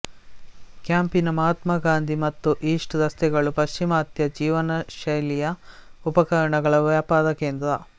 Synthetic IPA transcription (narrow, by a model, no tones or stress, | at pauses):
kjaːmpinɐmɐɦɐt̪mɐɡaːnd̪ʱimɐt̪ːuʔiːʂʈd̪ɐst̪ɛɡɐɭupɐʃt͡ʃimɐːt̪jɐd͡ʒiːʋɐnɐʃɐjlijɐupɐkɐɾɐɳɐɡɐɭɐʋjaːpaːd̪ɐkeːnd̪ɾɐ